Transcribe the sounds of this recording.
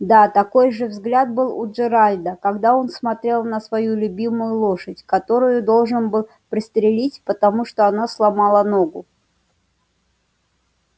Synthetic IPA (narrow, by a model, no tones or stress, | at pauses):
d̪at̪ɐko̞jʐɨvzɡlʲat̪̚bɨlˠʊ̰ʐɨɾalʲd̪əkɐɡd̪ao̞nsmɐt̪ɾʲe̞lˠnəsvɐjulʲʊbʲimʊjʊlˠo̞ʂədʲkɐt̪o̞ɾʊjʊd̪o̞lˠʐɨnbɨlˠ | pɾʲɪst̪ɾʲɪlʲitʲpət̪ɐmuʂt̪oɐnaslˠɐmalˠəno̞ɡʊ